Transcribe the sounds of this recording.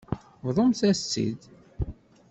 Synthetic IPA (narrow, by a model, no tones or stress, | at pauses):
vðˤəmθæst͡sːḭd̪